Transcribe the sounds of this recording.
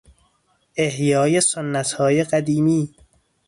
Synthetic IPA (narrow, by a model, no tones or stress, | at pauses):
ʔe̞hjɒːje̞sonːæt̪ʰhɒːjeɢæd̪iːmiː